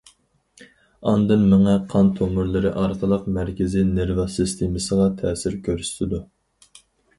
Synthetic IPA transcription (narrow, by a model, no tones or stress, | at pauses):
ɑnd̪ɨnmɪŋɛqʰɑnt̪ʰomʊɾlˠɨɾɨʔɑɾqʰəlˠəqmæɾkʲɪzɪneɾvɑsɨst̪ʰemɨsəʁɑt̪ʰɛːsɪɾkʲʰøɾst̪ʰɪd̪u